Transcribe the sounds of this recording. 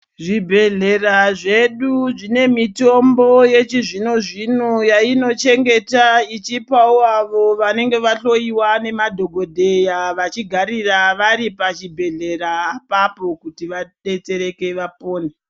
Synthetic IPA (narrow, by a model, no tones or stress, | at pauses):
ʐibʱe̞ɮe̞raʐe̞ɗuʐine̞mito̞mbo̞je̞t͡ʃiʐinoʐinujaino̞t͡ʃe̞ŋɡe̞tait͡ʃipauaʋo̞ʋane̞ŋɡe̞ʋaɬo̞iwane̞madʱo̞ɡʱodʱe̞jaʋat͡ʃiɡʱaɾiraʋaɾipat͡ʃibʱe̞ɮe̞raːpapo̞kutiʋaɗe̞t͡se̞ɾe̞ke̞ʋapoːne